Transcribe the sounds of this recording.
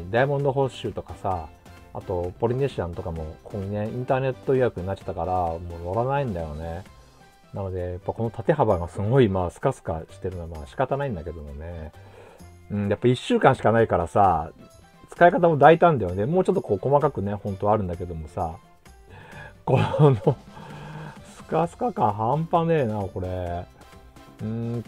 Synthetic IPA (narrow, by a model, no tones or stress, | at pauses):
d̪aimond̪o̞ɦo̞ɕɨːt̪o̞kasa | a̰t̪o̞po̞ɾʲineɕiãnt̪o̞kamo̞kʰoːɲine̞ĩnt̪aːne̞t̪ːo̞ijakɯ̟ɲinat͡ɕːḁt̪ːakaɾamo̞ːno̞ɾanaĩnd̪ajo̞ne | nano̞d̪e̞japːako̞no̞t̪ʰat̪e̞ɦabaɡasɨɡo̞imaːsɨ̥kasɨ̥kaɕi̥t̪e̞ɾɯ̟noamaːɕi̥kat̪anaĩnd̪ake̞d̪o̞mo̞ne̞ | ɯ̃ɴjapːaiɕːɨːkãɰ̃ɕi̥kanaikaɾasa | t͡sɨ̥kaikat̪amo̞d̪ait̪ãnd̪ajo̞nemoːt͡ɕo̞t̪ːoko̞ːko̞makakɯ̟ne̞hõ̞nt̪o̞aɾɯ̟nd̪ake̞d̪o̞mo̞sa | ko̞no | sɨ̥kasɨ̥kakãɰ̃ɦãmpaneːnako̞ɾe̞ | ɯ̃